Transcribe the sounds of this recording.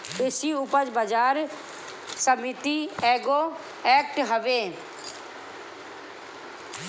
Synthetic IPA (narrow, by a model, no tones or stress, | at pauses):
ɪsiːʊpəd͡ʒbəd͡ʒaːɾ | səmɪt̪iːɛːɡoː | ɛːk̚ʈɦəʋeː